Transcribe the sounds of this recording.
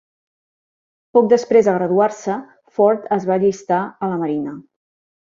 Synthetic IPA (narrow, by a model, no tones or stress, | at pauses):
pɔk̚d̪əspɾezðəɣ̞ɾəðuaɾsə | fɔɾt̪əzβaʎist̪aələməɾinə